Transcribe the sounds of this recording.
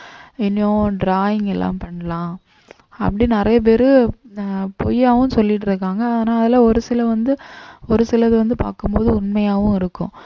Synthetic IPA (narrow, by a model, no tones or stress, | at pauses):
ɪnːõɖɾaːjɪŋɛlːã̰ːmpɐɳːɐlãː | ɐ̰pːɐɽinɪɾɐjɐp̬eːɾɯ | pɔ̰jːaːʋɯ̃sɔlːɪʈːɪɾɯkːaːŋɡɐːðeːnaːɐðɪlãːɔɾɯsɪlɐʋɐnd̪ɯɔɾɯsɪlɐðɯʋɐnd̪ɯpa̰ːɾkɯmpoːðɯʊɳmɐjaːʋɯ̃ɪɾɯkːʊ̰̃